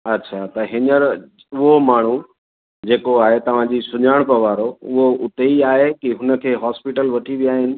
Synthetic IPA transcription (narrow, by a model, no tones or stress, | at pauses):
ɐtːɕʰaːt̪ɐɦɪnəɾ | ʊɦomaːɳ̤u | d͡ʑeːkoaːɦet̪ɐʋ̤ãd͡ʑisʊɲaːɽ̃pɐʋaːɾoʊɦoʔʊt̪eiaːɦekiɦʊnə̆kʰeːɦaːspɪʈəlʋɐʈʰiʋijaːɦɪnɪ̆